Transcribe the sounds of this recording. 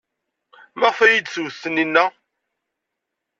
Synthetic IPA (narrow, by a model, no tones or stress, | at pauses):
mæʁfæjid̪swθːəninːæ